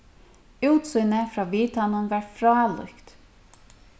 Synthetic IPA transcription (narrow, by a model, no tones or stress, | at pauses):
ʉːt̪sʏːnəfɾɑːʋiːt̪ʰanʊnʋɑːɹfɾɑːlʏ̰kt̪